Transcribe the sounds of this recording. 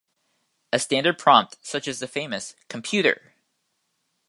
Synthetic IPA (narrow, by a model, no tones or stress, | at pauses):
ɨstæ̃ndə˞d̚pʰɹ̥ɑ̃mp̚tsʌt͡ʃɨzðɨfẽɪ̃mɨskʰm̩pʰj̥ʉɾə̰˞